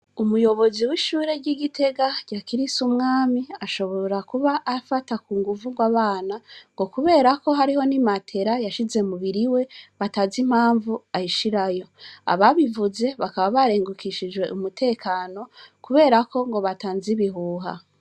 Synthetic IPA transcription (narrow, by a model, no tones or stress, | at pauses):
umujo̞βo̞ziwiʃuːɾe̞ɾɟiɡitʰe̞ɡaɟ̥akiɾisumŋaːmiaʃo̞βo̞ɾakuβaʔːfatakuːŋɡuvuŋɡwaβaːnaŋɡo̞kuβe̞ːɾako̞ɦaɾiho̞nimatʰe̞ɾajaʃize̞muβiɾiwe̞βatazim̥haːɱvuajiʃiɾajo̞a̰βaβivuze̞βakaβaβaɾe̞ːŋɡukiʃid͡ʒwe̞ʔumutʰe̞ːkaːno̞kuβe̞ːɾako̞ŋɡo̞βataːnziβiɦuːɦa̰